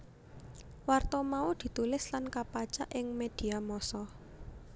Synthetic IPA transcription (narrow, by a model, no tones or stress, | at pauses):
wart̪ɔmaud̪̥i̤t̪ulɪslankapat͡ʃa̰ʔɪŋmed̪̥i̤amɔsɔ